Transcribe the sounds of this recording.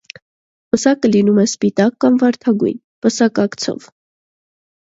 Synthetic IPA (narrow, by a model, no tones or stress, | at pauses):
pəsɑkəlinumɛspit̪ɑkːɑmvɑɾt̪ʰɑɡṵjnpəsɑkɑkt͡sʰɔ̰v